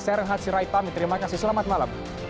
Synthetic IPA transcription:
sɛɾənɦat̪siɾajt̪amit̪əɾimakasisəlamat̪̚malam

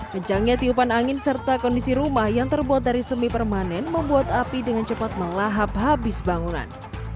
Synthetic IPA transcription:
kəɲt͡ʃaŋɲat̪iupanaŋɪnsərt̪akɔndisiɾumahjaŋt̪ərbuat̪̚daɾisəmipərmanɛnməmbuat̪apidəŋant͡ʃəpat̪̚məlaɦap̚ɦabɪsbaŋuna̰n

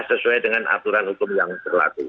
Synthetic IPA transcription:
səsuajdəŋanʔa̰t̪uɾanhukʊmjaŋtərla̰t̪i

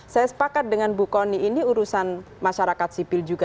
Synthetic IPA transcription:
sajasə̥pakat̪̚dəŋanbukɔniiniuɾusan | maʃaɾakat̪̚sipɪld͡ʒuɡa

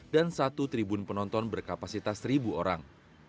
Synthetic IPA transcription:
dansat̪ut̪ɾibunpənɔnt̪ɔnbərkapasit̪asɾibuoɾaŋ

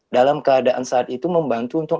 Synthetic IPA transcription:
dalamkəadaʔansaʔat̪̚it̪uməmbant̪uːnt̪ʊk̚

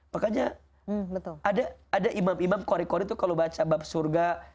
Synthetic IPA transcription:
pakad͡ʒa | bət̪ʊladaadaʔimamimamkoɾikoɾit̪ukalobat͡ʃabap̚surɡa

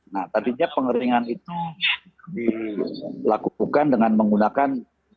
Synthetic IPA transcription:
naht̪adiɲapəŋəɾiŋanit̪u | di | lakukandəŋanməŋɡunakan

